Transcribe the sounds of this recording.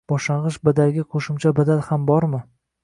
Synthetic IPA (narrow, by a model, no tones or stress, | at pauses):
b̥ɒʃaʁɨʃbad̪alɡʲaqʰoʃɪmt͡ʃʰabad̪alhambɒɾmɪ